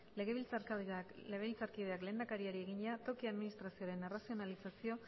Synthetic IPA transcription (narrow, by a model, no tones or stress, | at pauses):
le̞ɣe̞βilt͡saleɣeβilt͡saɾkiðe̞akle̞ːnd̪akaɾiaɾie̞ɣiɲat̪o̞kiaðminist̪ɾasio̞ɾe̞nerasio̞nalisasio̞